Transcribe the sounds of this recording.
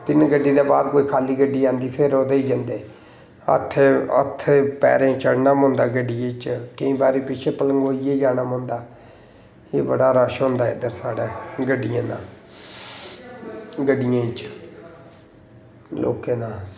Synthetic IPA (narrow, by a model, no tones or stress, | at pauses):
t̪ɪnɡəɖːiːd̪aːbaːd̪koːiːkʰaːliːɡəɖːiːãːnd̪iːpʰɪɾoːd̪eiːd͡ʒand̪eː | ə̰t̪ʰːə̰t̪ʰːpɛ̰ːɾẽːt͡ʃəɽnaːmõːnd̪aːɡəɖɪjẽːt͡ʃkəĩːbaːɾiːpɪt͡ʃʰeːpələŋɡoːijeːd͡ʒaːnaːmõːnd̪aː | eːbəɽaːɾaːʃɦõːnd̪aːɪ̰d̪əɾsaːɽeːɡəɖɪjãːnãː | ɡəɖɪjãːt͡ʃ | lʔo̰ːkeːnaː